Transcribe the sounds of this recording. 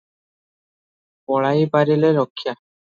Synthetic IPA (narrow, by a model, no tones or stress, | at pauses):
pɔɭajpaɾileɾɔkʰːja